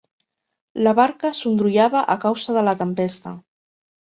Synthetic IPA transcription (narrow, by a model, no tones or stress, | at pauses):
laβaɾkəsund̪ɾuʎaβaʔəkawzəðələt̪əmpest̪ə̰